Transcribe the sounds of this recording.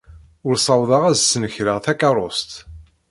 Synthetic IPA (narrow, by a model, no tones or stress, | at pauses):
ʊɾsˤɑwðˤɑʁæzsːənəçɾəʁθækɑrˤost̪